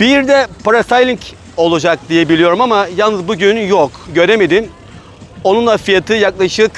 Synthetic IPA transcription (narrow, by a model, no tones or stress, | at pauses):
b̥iɾd̪ɛpʰaɾasajlʲiɲc | o̞lˠud͡ʒak̚d̪ijɛbilʲijo̞ɾumamajalˠnɯzbuɟynjokɟø̞ɾeme̞d̪in | o̞nunlˠafijat̪ʰɯjak̚lˠaʃɯːk